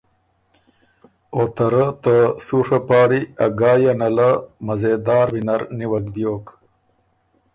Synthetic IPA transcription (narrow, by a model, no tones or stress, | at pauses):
ot̪ɐɾat̪əsuʂɐpɑːɽiɐɡɑːjanɐlamɐzeːd̪ɑːɾwinɐɾniwɐkbjoːk